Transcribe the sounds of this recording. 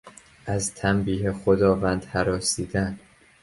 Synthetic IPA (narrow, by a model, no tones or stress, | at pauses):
ʔæzt̪ʰæmbiːɦexod̪ɒːvænd̪hæɾɒːsiːd̪æn